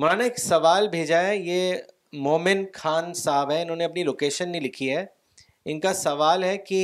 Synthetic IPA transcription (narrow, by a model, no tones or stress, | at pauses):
mʊɾaːnaeksɐʋaːlbʱeːd͡ʒaɛjeː | moːmɪnkʰaːnsaːbɦɛɪnɦõːneɐpniloːkeːʃənːĩlɪkʰiɦɛ | ɪnkasɐʋaːlɦɛki